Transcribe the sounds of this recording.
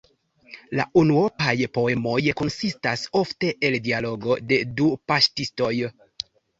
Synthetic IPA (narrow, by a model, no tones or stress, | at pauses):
la̰ʔunuopajpo̞e̞mo̞jko̞nsistaso̞fte̞ʔeldialo̞ɡo̞de̞dupaʃtisto̞j